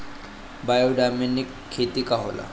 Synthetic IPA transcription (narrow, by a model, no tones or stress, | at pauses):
bajoɖaminikʰːet̪iːkaɦo̰la̰